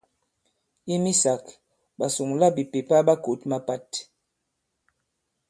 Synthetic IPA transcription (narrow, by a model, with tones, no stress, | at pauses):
i˦mi˦sa˨k | ɓa˨su˨ŋla˦bi˨pe˨pa˦ɓa˦ku˨˦t̚ma˦pa˦˨t